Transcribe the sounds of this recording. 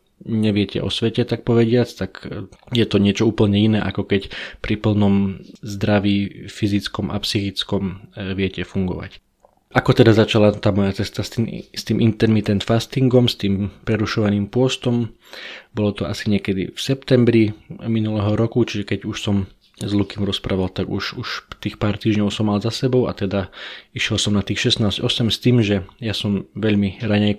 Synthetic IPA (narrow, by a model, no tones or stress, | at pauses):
ɲɛʋɪɛcɛ̰ʔɔ̰sʋɛcɛt̪ak̚pɔʋɛɟɪat͡st̪akjɛt̪ɔɲɪɛt͡ʃɔuːpl̩ɲɛinɛːʔakɔkɛcpɾipl̩nɔmzd̪ɾaʋiːfizit͡skɔmʔa̰psixit͡skɔmʋɪɛcɛfuŋɡɔ̰ʋa̰c | ʔakɔt̪ɛd̪azat͡ʃalat̪aːmɔjat͡sɛst̪ast̪ist̪iːmint̪ɛɾmit̪ɛnt̪fast̪iŋɡɔmst̪iːmpɾɛɾuʃɔʋaniːmpʊɔst̪ɔm | bɔlɔt̪ɔasiɲɪɛkɛd̪ḭfsɛpt̪ɛmbɾiminulɛːɦɔɾɔkut͡ʃiʒɛkɛɟuʃsɔm | zlukimɾɔspɾaːʋalt̪aɡṵʃuʃt̪iːxpaːɾt̪iːʒɲɔʊsɔmːalzasɛbɔʊa̰t̪ɛd̪aiʃjɛlsɔmnat̪iːxʃɛsnaːz̥ɟɔsɛmst̪iːmʒɛjasɔmʋɛʎmiɾaɲɛj